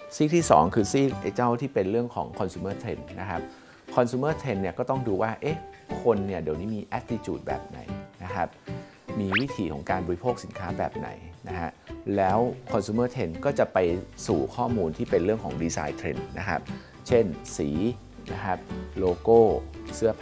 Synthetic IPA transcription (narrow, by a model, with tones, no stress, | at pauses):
siː˥˩k̚t̪ʰiː˥˩sɔ̰ː˩˦ŋkʰɯː˧siː˥˩k̚ʔe˧t͡ɕa˥˩wt̪ʰiː˥˩pe˧nɾɯ˥˩əŋkʰɔ̰ː˩˦ŋkʰɔ˧nsuː˧mɤː˥˩t̪ʰɾe˧nːa˦˥kʰa˦˥p̚ | kʰɔ˧nsuː˧˦mɤ˥˩t̪ʰe˧nːi˥˩əkɔː˥˩t̪ɔ˥˩ŋduː˧waː˥˩ʔe˦˥kʰo˧nːi˥˩de˧wniː˦˥miː˧ʔɛ˦˥t̪̚ti˧t͡ɕuː˨˩t̪̚bɛ̰ː˨˩p̚na̰˨˩˦jna˦˥kʰa˦˥p̚ | miː˧wi˦˥t̪ʰiː˨˩kʰɔː˩˦ŋkaː˧nbɔː˧ɾi˧pʰoː˥˩k̚si˩˦nkʰaː˦˥bɛ̰ː˨˩p̚na̰˩˦jna˦˥kʰa˦˥ʔlɛː˦˥wkʰɔ˧nsuː˧mɤː˥˩t̪ʰe˧nkɔː˥˩t͡ɕa˨˩pa˧jsuː˨˩kʰɔː˥˩muː˧nt̪ʰiː˥˩pe˧nɾɯ˥˩əŋkʰɔ̰ː˩˦ŋdiː˧sa̰ː˧jt̪ʰɾḛ˧nːa̰˦˥kʰa̰˦˥p̚ | t͡ɕʰe˥˩nsiː˩˦ | na˦˥kʰa˦˥p̚loː˧koː˥˩sɯ˦˥ɐ